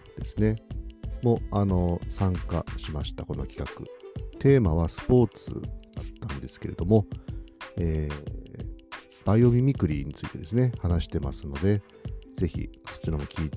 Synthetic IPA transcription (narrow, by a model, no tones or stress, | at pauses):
d̪̥e̞sɨne̞mo̞ano̞sãŋkaɕimaɕi̥t̪ako̞no̞kʲi̥kakɯ̰t̪ʰe̞ːmaβ̞asɨ̥po̞ːt͡sɨ̰d̪at̪ːãnd̪e̞sɨ̥ke̞ɾe̞d̪o̞mo̞ | eː | b̥aio̞mʲimʲikɯ̟ɾʲiɲ̟it͡sɨit̪e̞d̪e̞sɨne̞hanaɕi̥t̪e̞masɨno̞d̪e̞ | ze̞çḭso̞̥t͡ɕiɾomo̞kʲiː